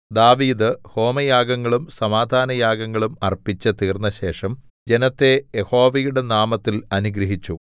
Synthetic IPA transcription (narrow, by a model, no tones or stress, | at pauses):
d̪aːʋiːd̪ɨho̞ːmɐjaːɡɐŋːɐɭumsɐmaːd̪ʱaːnɐjaːɡɐŋːɐɭumɐ̰rpːit͡ɕːɐt̪iːrnːɐɕe̞ːʂɐm | d͡ʑe̞nɐt̪ːe̞jeho̞ːʋɐjuɽe̞naːmɐt̪ːilɐnuɡɾɐɦit͡ɕːu